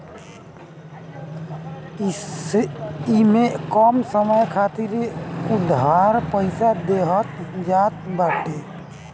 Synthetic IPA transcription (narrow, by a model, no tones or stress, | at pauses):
imekɔmsəməjkʰat̪iɾeud̪ʱaɾpəɪsad̪eɦət̪̚d͡ʒat̪̚baʈe